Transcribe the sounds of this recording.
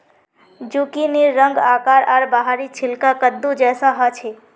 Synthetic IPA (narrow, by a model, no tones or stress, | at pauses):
d͡ʒuːkineːə̃ŋɡaːkaːɾaːɾbaɦaɾit͡ʃʰɪlkakəd̪ːud͡ʒɛːsaɦat͡ʃʰeː